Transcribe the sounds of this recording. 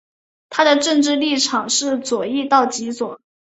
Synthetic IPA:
t̪ʰa˥d̪ə˨ʈ͡ʂɤ˥˧ŋʈ͡ʂɻ̩˥˧li˥˩ʈ͡ʂʰɑ˨˩ŋʂɻ̩˥˩t͡swɔ˨˩i˥˧t̪ɑ˥˩ʊt͡ɕi˧˥t͡swɔ˨˩˦

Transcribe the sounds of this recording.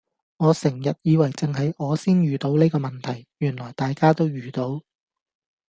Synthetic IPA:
ŋɔː˨˧sɪ˨˩ŋjɐ˨t̚jiː˨˧wɐ˨˩jt͡sɪ˨ŋhɐ˨jʔɔː˨˧siː˥njyː˨t̪o˨˥wneː˥kɔː˧mɐ˨nt̪ʰɐ˨˩jjyː˨˩nlɔː˨jt̪aː˨jkaː˥t̪o˥wjyː˨t̪o˨˥w

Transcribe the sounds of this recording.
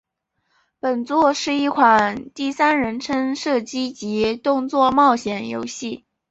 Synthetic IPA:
pə˨˩nt͡swɔ˥˧ʂɻ̩˥˧i˥˩kʰwa˨˩nt̪i˥˩sa˥nɻə˧˥nʈ͡ʂʰə˥nʂɤ˥˩t͡ɕi˥t͡ɕi˧˥t̪ʊ˥˧ŋt͡swɔ˥˧mɑ˥˩ʊɕjɛ˨˩njo̰˧˥ʊɕi˥˩

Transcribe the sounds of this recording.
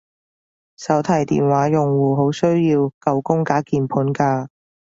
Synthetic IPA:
sɐ˨˥wt̪ʰɐ˨˩jt̪ḭː˨nwaː˨˥jʊ˨˩ŋwuː˨ɦo˨˥wsɵ˥ɥjiː˧wkɐ˨˧wkʊ˥ŋkaː˨˥kiː˨˧npʰuː˨˥nkaː˧

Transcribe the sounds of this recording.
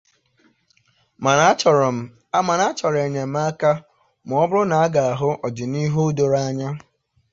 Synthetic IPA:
ma˨˦˨m̩˨ | a˦ma˨na˦t͡ʃɔ˨ɾe˨ɲe˨m̩˦a˦ka˦ | m˨ɔ˦bʊ˦ɾʊ˦na˨a˦ɡa˨a˨ɦʊ˦ʔɔ˨d͡ʒi˨ni˦ɦo˦do˨ɾa˦ɲa˦

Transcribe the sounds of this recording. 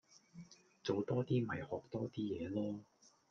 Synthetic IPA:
t͡so˨˧wt̪ɔː˥t̪iː˥mɐ˨jhɔː˨k̚t̪ɔː˥t̪iː˥jɛː˨˧lɔː˥

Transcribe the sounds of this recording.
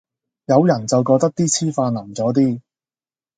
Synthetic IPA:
jɐ˨˧wjɐ˨˩nt͡sɐ˨wkɔː˧k̚t̪ɐ˥k̚t̪iː˥t͡sʰiː˥faː˧nɐ˨˩mt͡sɔː˨˥t̪̬iː˥

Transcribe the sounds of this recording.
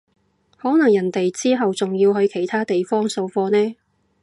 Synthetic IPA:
hɔː˨˥nɐ˨˩ŋjɐ˨˩nt̪e˨jt͡siː˥ɦɐ˨wt͡sʊ˨ŋjiː˧wɦɵ˨˧ɥkʰe˨˩jt̪ʰaː˥t̪e˨jfɔː˥ŋso˧wfɔː˧nɛː˥

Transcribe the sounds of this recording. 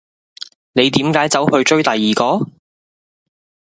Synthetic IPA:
ne˨˧jt̪iː˨˥mkaː˨˥jt͡sɐ˨˥whɵ˧ɥt͡ʃɵ˥ɥt̪ɐ˨jːiː˨˩kɔː˧˥

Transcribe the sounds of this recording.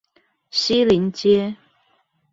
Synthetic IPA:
ɕi˦li˨˦nt͡ɕjɛ˦

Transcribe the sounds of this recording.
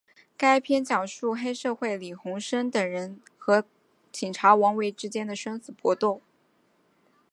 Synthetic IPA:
ka˥ɪpʰjɛ˥nt͡ɕjɑ˨˩ʊʂu˥˩xe˥ɪʂɤ˥˧xwe˥˩ɪli˨˩xʊ˧˥ŋʂə˥nt̪ə˨˩ŋɻə˧˥n | xɤ˧˥ | t͡ɕʰi˨˩ŋʈ͡ʂʰa˧˥wɑ˧˥ŋwe˧˥ɪʈ͡ʂɻ̩˥t͡ɕjɛ˥nd̪ə˨ʂə˥nsɹ̩˨˩pwɔ˥t̪ʊ˥˩ŋ

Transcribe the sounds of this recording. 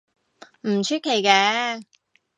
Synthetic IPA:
m̩˨˩t͡ʃʰyː˥t̚kʰːe˨˩jkɛː˨˧˥

